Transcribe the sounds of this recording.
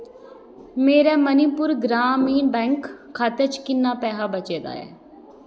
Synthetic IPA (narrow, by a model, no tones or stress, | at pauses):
meːɾɛːmənipʊɾɡɾaːmiːnbɛ̃ːŋkʰːaːt̪et͡ʃkɪnːaːpɛːɦaːbət͡ʃeːd̪a̰ːɛ̰ː